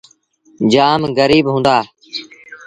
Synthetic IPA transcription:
d͡ʒaːmɡəɾiːbɦũːnd̪aː

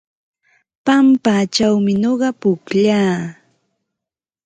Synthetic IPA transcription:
pampaːt͡ʃawmɪɲoɢɑpʊkʎaː

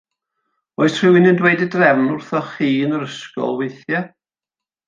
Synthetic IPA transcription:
oɨsʰr̥ɪwɪnɪndwejdɪdrɛvnʊrθɔχiːnəɾəskɔ̰lˠwejθja

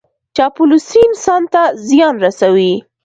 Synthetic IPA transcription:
t͡ʃɑpʊlusiɪnsɑnt̪azjɑnɾasawi

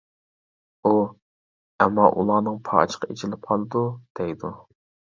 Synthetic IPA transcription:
u | ɛmːɑʔulˠɑːnɨŋpʰɑ̰t͡ʃʰə̥qʰɑet͡ʃʰilɪp̚qʰɑlˠɨd̪ud̪̥ɛjd̪u

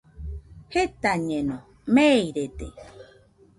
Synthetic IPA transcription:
het̪aɲẽnõ | mejɾet̪e

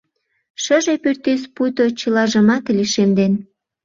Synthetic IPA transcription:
ʃəʒepørt̪espujt̪ot͡ɕəlɑʒəmɑt̪liʃemd̪en

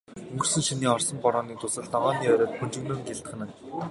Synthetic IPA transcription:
ɵŋɡɵ̆rsɘ̆nʃiniːɔrsɞ̆mpɔɾɔːniːt̪ʰʊsə̆ɮnɔʁɔːniːœɾʲɔːt̪xɵnt͡ɕɪ̆ɣnoːŋɡeɮt̪χɘ̆nɘ̆n

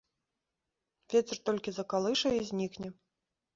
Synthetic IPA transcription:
vʲet͡sʲɛrt̪ɔlʲkʲizɐkalˠɨʂɐizʲnʲiknʲɛ

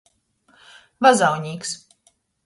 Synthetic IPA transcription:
vazawɲʲiːks

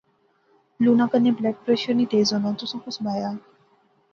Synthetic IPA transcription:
luːnãkənːẽblɛːk̚pɾɛʃəɾniʈ̪eːzonãt̪usõkʊsbaːjaː

